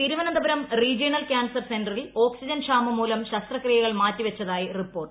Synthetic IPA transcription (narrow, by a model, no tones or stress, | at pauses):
t̪iɾuʋɐnɐnd̪ɐbɐɾɐmriːd͡ʑinɐlkʲaːnsɐrsendɐrilo̞ːksid͡ʑɐnʂaːmɐmuːlɐmɕɐst̪rɐkrijɐɣɐɭmaːtːiʋɐt͡ɕːɐðaːjiripːo̞ːrʈ